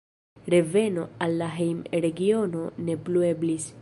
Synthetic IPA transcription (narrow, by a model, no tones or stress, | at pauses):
ɾe̞ve̞no̞alːaɦejmɾe̞ɡio̞no̞ne̞plue̞blis